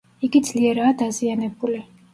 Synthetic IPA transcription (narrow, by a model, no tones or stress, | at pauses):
iɡid̪zliɛɾaːd̪azianɛbuli